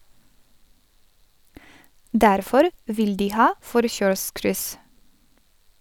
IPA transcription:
ˈdæɾfɔɾ ˈʋɪl ˈdiː ˈhɑː ˈfɔɾçœɹˌskɾʏs

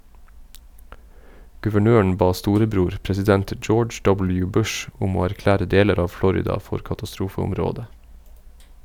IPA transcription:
ɡʉʋəˈɳøːɳ̩ ˈbɑː ˈstuːɾəˌbɾuːɾ pɾɛsɪˈdɛnt ˈd͡ʒoːd͡ʒ ˈdɔbl̩ˌjʉː ˈbʉʃ ˈʊm ˈoː æɾˈklæːɾə ˈdeːləɾ ˈɑː ˈflɔɾɪdɑ ˈfɔɾ kɑtɑˈstɾuːfəʊmˌɾoːdə

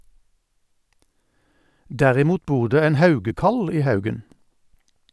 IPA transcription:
ˈdæʁɪˌmuːt ˈbuːʁ ˈdeː ˈeːn ˈhɑʉɡəkɑl ˈiː ˈhɑʉɡən

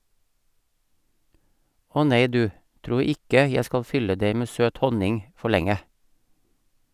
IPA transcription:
ˈɔ ˈneɪ ˈdʉː ˈtɾuː ˈɪkə ˈjæ ˈskɑl ˈfʏlə ˈdeɪ ˈmeː ˈsøːt ˈhɔnɪŋ ˈfɔ ˈɭɛŋə

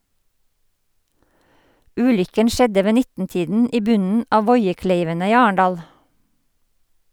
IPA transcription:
ˈʉːlʏkən ˈʃɛdə ˈʋeː ˈnɪtn̩ˌtiːdn̩ ˈiː ˈbʉnn̩ ˈɑː ˈʋɔʏəˌkleɪʋənə ˈiː ˈɑːəɳdɑːl

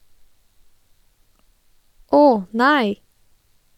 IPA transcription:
ˈoːh ˈnæɪ

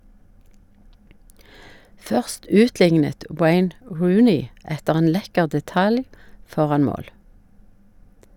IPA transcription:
ˈfœʁst ˈʉːtˌlɪŋnət ˈweɪn ˈɹʉːnɪ ˈɛtəʁ ˈeːn ˈlɛkəʁ dɛˈtɑl ˈfɔʁɑn ˈmoːl

